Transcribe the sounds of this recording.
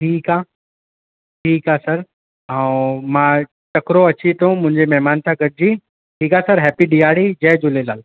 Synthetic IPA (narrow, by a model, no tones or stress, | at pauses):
ʈʰiːkaː | ʈʰiːkasɐɾ | aũmãː | t͡ɕɐkɾoɐt͡ɕit̪ʰõmʊ̃ɦɪ̃ɲd͡ʑemɛɦmaːnt̪ʰãɡɐɽ̚d͡ʑiː | ʈʰiːkasɐɾɦɛːpiɖiaːɽid͡ʑɐɦd͡ʑʊlelaːl